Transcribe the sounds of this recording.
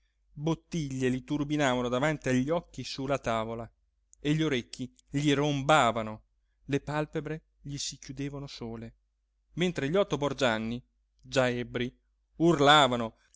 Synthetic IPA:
bot̪ːiʎːelit̪urbinaːvanod̪avant̪iaʎːɔkːisulat̪aːvola | eʎːoɾekːi | ʎirombaːvano | lepalpebɾe | ʎisikjud̪eːvanosoːle | ment̪ɾeʎɔt̪ːobord͡ʒanːi | d͡ʒaɛbɾi | urlaːvano

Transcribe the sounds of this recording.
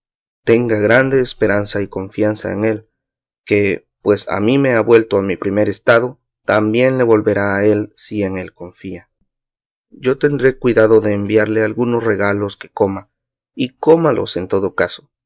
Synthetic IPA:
t̪e̞ŋɡaɣɾand̪e̞ːspe̞ɾansaiko̞ɱfjansa̰ḛŋe̞l | ke | pwe̞sa̰mime̞aβwe̞lt̪o̞amipɾime̞ɾe̞st̪aðo̞ | t̪ambje̞nle̞βo̞lβe̞ɾaːe̞lsieŋe̞lko̞ɱfia | ɟ͡ʝo̞t̪e̞nd̪ɾe̞kwiðaðo̞ðe̞ːmbjaɾle̞alɣunosre̞ɣalo̞ske̞̥ko̞ma | iko̞malo̞̰se̞nt̪o̞ðo̞kaso̥

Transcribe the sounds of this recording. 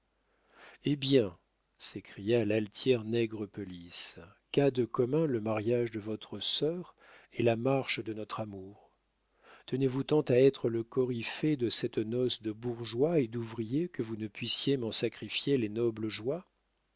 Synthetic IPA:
ebjɛ̃ | sekχijalalt̪ʰjɛʁnɛɡʁəpɔliskad̪əkɔmɛ̃ləmaʁjaʒd̪əvɔt̪χəsœʁ | elamaʁʃd̪ənɔt̪χamuːʁ | t̪ənevut̪ɑ̃t̪aɛt̪χələkɔʁifed̪əsɛt̪nɔsd̪əbuʁʒwaed̪uvʁijekəvunəpɥisjemɑ̃sakχifjelenɔbləʒwa

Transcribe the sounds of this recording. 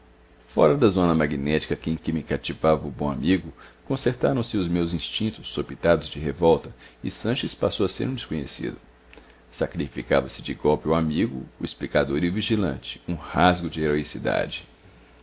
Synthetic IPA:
fɔ̰ɾɐd̪ɐzõnɐmaɡinɛt͡ʃi̥kɐkɪẽkɪmɪkat͡ʃivavɐʊbõa̰miɡʊkõseɾt̪aɾɐ̃w̃sɪʊzmewzĩst͡ʃĩnt̪ʊsːopit̪ad̪ʊzd͡ʒɪɦevɔwt̪ɐɪ̰sɐ̃ʃespasowɐsḛɾũd͡ʒ̪ɪskõɲesḭd̪ʊ | sakɾifika̰vɐsɪ̥d͡ʒɪɡɔwpɪʊamiɡʊ̰ːisplikad̪oɾiʊviʒilɐ̰̃t͡ʃɪ̥ũhazɡʊd͡ʒɪeɾoisid̪a̰d͡ʒɪ

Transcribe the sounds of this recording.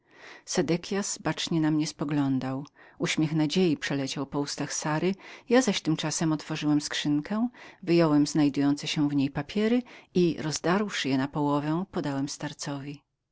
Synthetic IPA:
sɛd̪ɛkʲʰjasbat͡ʂɲɛnamɲɛspɔɡlɔnd̪awuɕmʲɛxnad͡ʑejipʂɛlɛt͡ɕawpɔust̪axsaɾɘjazaɕt̪ɘmt͡ʂasɛmɔt̪fɔʐɘwɛmskʂɘŋkɛ̃vɘjɔwɛmznajd̪ujɔnt̪sɛɕɛ̃vɲejpapʲjɛɾɘiɾɔzd̪aɾwʂɘjɛnapɔwɔvɛ̃pɔd̪awɛmst̪aɾt̪sɔvʲi

